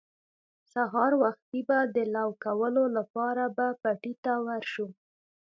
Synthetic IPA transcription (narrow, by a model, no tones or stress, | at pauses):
saɦɑɾwaxt̪ibad̪əlɑwkawəlolapɑɾabapaʈit̪awaɾʃu